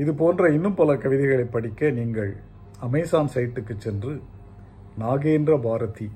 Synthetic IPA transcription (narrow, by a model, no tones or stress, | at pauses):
ɪðɯpoːndrɐɪnːɯmpɐlɐkɐʋɪðɐɪɣɐɭɐɪpːɐɽɪkːɐniːŋɡɐɭ | ɐmɐɪsaːnsɐjʈːɯkːɯt͡ʃːɛndrɯ | naːɣeːndrɐbaːɾɐt̪i